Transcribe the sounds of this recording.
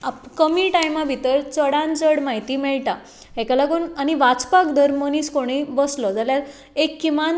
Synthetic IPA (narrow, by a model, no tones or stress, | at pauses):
akəmiːʈajmabʱit̪əɾt͡səɽãnt͡səɽmaɦit̪iːmɛɭʈ̪a | ɦɛkalaɡuːnañiʋat͡spakd̪ʱəɾməñiːskoɽ̃ibəslɔd͡zaljaɾ | ekːiman